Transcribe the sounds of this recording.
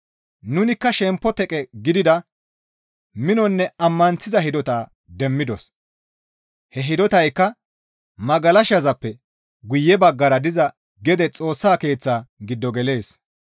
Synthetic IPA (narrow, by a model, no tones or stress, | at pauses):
nʊnɪkːɐʃɛmpːɔt̪ɛkʼɛɡɪd̪ɪd̪ɐ | mɪnɔnːɛɐmːɐnt͡sɪzɐhɪd̪ɔt̪aː | d̪ɛmːɪd̪ɔs | hɛɦɪd̪ɔt̪ɐjkːɐ | mɐɡɐlɐʃɐzɐpːɛ | ɡʊjːɛbɐɡːɐɾɐd̪ɪzɐ | ɡɛd̪ɛt͡sʼo̞ːsːaːke̞ːt͡sːaːɡɪd̪ːɔɡɛle̞ːs